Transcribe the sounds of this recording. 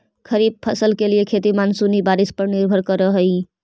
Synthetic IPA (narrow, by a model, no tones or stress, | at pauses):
kʰəɾib̚pʰəsəlkelijekʰet̪imansunibaɾispəɾniɾbʱəɾkəɾəɦəj